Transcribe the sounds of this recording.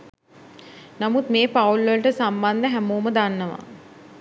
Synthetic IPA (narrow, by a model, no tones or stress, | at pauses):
namut̪meːpaulʋələʈəsamband̪əɦæmuːməd̪anːəʋa̰